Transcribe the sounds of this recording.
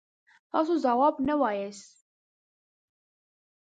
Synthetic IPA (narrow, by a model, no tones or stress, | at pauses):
fɑsuzɑwɑːbnɛwɑːjɛs